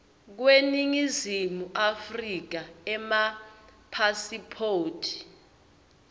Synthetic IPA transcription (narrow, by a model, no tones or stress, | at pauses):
k̬weniŋizimuʔafrik̬aɛmapʰasipʰoːtʰi̥